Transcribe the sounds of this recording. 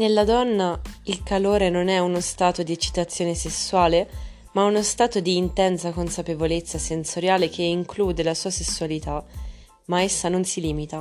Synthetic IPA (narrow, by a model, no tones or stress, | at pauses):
nelːad̪ɔnːailkaloːɾenonɛunost̪aːt̪od̪iet͡ʃːi̥t̪at̪sːjoːnesesːuwaːle | maɛunost̪aːt̪od̪iːnt̪ɛnsakonsapevolet̪sːasensoɾjaːlek̟eiŋkluːd̪elasuːasesːualit̪a | maesːanonsiliːmit̪a